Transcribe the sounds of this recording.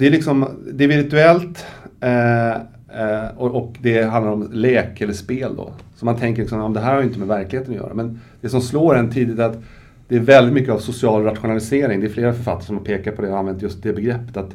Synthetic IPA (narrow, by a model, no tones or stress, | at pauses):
d̪̥ɛæɾlɪksɔmd̪ɛæɾvɪɾt̪ʉɛlt̪ | ɔɔkd̪ɛɦãnd̪aɾɔmlɛːkɛlːəʂpeːld̪ɔ̰sɔmant̪ʰɛŋk̬əɾlɪksɔmjɑmmnd̪ɛɦæːɾhaɾjʏɪnt̪əmɛvæɾklɪheːt̪ənɔjœ̰ːɾa̰mɛnd̪̥ɛsɔmsloːɾɛnt̪ʰiːd̪ɪtt̪æɾat̪ | d̪ɛːɾvɛld̪ɪt̪mʏkːəavsʊsɪɑːlɾat̪ɧʊnalɪseːɾɪŋd̪ɛːɾfleːɾafœɾfa̰t̪ːaɾəʂɔmhaɾpʰeːkat̪̚pʰɔd̪ɛhɔɾanvɛnt̪jɵst̪̚d̪ɛbɛɡɾɛpːə̥t̪at̪